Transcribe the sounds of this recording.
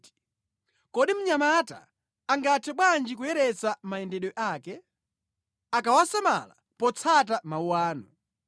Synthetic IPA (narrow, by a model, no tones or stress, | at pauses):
kɔɗim̩ɲamata̰ | aŋɡatʰɛɓwand͡ʒik̬ujɛɾɛt͡samaɛndɛɗɔʔaːkɛ | akawasama̰la̰ | pɔt͡sʰatamauwaːnɔ